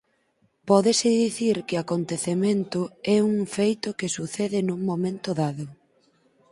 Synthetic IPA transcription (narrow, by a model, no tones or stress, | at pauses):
pɔðɪsɪðiθiɾkɪakont̪eθemẽnt̪ʊɛuŋfejt̪ʊkɪsuθɛðɪnuŋmomẽnt̪ʊðaðʊ